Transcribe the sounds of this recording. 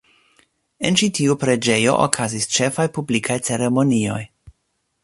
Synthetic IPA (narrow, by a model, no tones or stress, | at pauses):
e̞nt͡ʃitʰiupɾe̞d͡ʒe̞jo̞̰ʔo̰kʰazist͡ʃe̞fajpublikʰajt͡se̞ɾe̞mo̞nio̞j